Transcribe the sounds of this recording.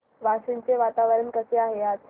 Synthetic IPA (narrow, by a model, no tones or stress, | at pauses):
ʋasint͡seʋat̪aʋəɾənkəseaɦeat̪